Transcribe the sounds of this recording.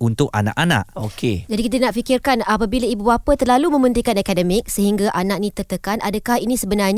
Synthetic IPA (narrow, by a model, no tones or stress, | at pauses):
unt̪ʊk̚a̰na̰kʔana̰ʔoked͡ʒadikit̪̬anaʔfikɪrkanapabilaibubapat̪ərlalumə̃mbənt̪iŋkanakadəmɪk̚səɦiŋɡaʔanak̚nĩt̪ərt̪əkanʔadakahinĩsəbənarɲ